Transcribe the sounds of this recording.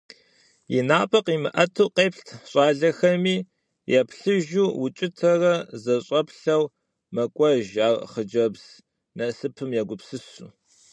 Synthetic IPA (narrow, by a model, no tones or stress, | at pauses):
jḭnaːpʼɐqʼiːmɨʔɐtʰuːqʼeːpɬtʰɕʼɑːɮɐxɐmiː | jɛpʰɬɨʒuːwʊt͡ʃʼɪtʰɐrɐzɐɕʼɐpɬɐw | mɐkʷʼɔʒaːʁχəd͡ʒɐbz̥ | nɐsɨpʰɨmjɛɡʷʊpsɨsṵ